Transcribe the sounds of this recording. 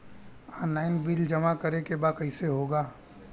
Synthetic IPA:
aːnːaːɪnbɪld͡ʒɐmakəɾekebaːkɐɪseɦoːɡaː

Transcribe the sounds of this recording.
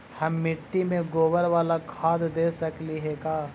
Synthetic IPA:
hɐmːɪʈːimẽɡoːʋəɾʋaːlakʰaːd̪d̪eːsɐkliɦɛkaː

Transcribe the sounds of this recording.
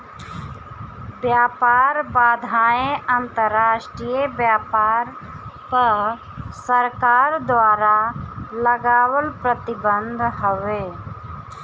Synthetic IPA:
bjaːpaːɾbaːd̪ʱaːẽʔənt̪əɾːaːʃʈɾijebjaːpaːɾ | pə | səɾkaːɾd̪waːɾaləɡaːwəlpɾət̪ɪbə̃nd̪ʱɦoʋeː

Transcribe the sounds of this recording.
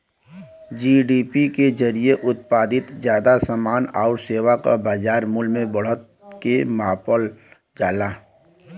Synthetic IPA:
d͡ʒiːɖiːpiked͡ʒəɾieʔʊt̪̚paːd̪ɪt̪zjaːd̪asamaːna̰ːʊɾseːwaka̰baːd͡ʒaːɾmʊlmẽbəɽ̤ət̪ | kemaːpəl | d͡ʒaːlaː

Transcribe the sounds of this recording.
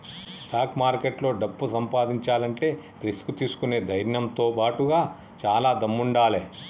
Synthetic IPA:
sʈaːkmaːɾkeʈlo̞ːɖɐpːusɐmpaːd̪iɲt͡ʃaːlɐɳʈe̞ː | ɾiskut̪iːsu̥kune̞ːd̪ʱɐjɾnɐmt̪o̞ːpaːʈuɡaː | t͡ʃaːlaːd̪ɐmːuɳɖaːleː

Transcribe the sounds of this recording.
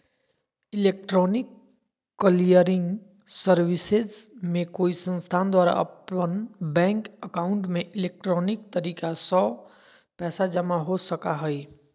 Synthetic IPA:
ɪleːk̚ʈɾɔːnɪkː | əlijəɾɪ̃ŋɡ | səɾwɪsezmẽkoːisə̃nst̪ʰaːnd̪waːɾa̰ʔə̰pənbɛ̃ːŋkəkaːʊ̃ɳʈmẽʔɪleːk̚ʈɾɔːnɪk̚t̪əɾiːkasɔː | pɛːsad͡ʒəmaɦosəkaɦɛi

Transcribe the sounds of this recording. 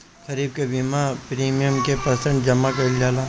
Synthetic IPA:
kʰɐɾiːb̚kebimapɾiːmijəmkepɐsə̃ɳʈd͡ʒɐmakɐɪld͡ʒaːla

